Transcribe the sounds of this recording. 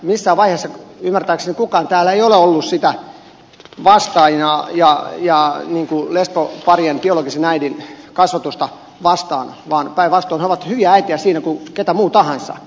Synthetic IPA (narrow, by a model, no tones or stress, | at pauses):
misːæːʋɑiheːsːɑymːært̪æːksenikukɑːnt̪æːlːæeioleolːussit̪æ | ʋɑst̪ɑinɑjɑjɑniːŋkulespopɑrjɑnpioloɡisenæidinkɑsʋɑt̪ust̪ɑ | ʋɑst̪ɑːnʋɑːnpæiʋʋɑst̪oːneoʋɑt̪hyʋiææit̪iæsiːnækuket̪æmuːt̪ɑhɑnsɑ̰